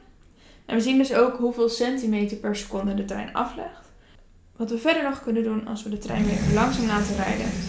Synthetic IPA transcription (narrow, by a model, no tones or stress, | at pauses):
ʔɛ̰nʋəzindɵsowkɦuvɪːlˠsɛntimejtəɹpɛɹsə̥kɔndədətrɛ̰jnɑ̰flɛ̰χt | ʋɑtʋəvɛɹdəɹnɔχkɵnəndunɑ̰lˠsʋədətrɛ̰jnʋlɪχəlɑŋsaːmlaːtərɛjdə̰